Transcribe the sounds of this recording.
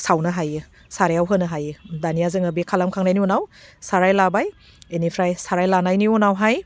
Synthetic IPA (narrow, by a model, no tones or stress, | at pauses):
sawnɯɦajɯ | saɾejawɦɯnɯɦajɯdanijazɯŋabikʰalamkʰaŋnajniɔnawsaɾajlabaj | enipʰɾajsaɾajlanajniɔnawɦaj